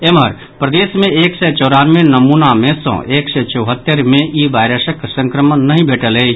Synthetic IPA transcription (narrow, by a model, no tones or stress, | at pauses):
eməɾ | pɾəd̪esmẽeksɛt͡ʃɔʊɾaːnmẽnəmunamesə̰̃ʔeksɛt͡ʃəwɦət̪ːəɾmẽiʋaɪɾəsəkːsə̃ŋkɾəmənːəɦĩbʱeʈələ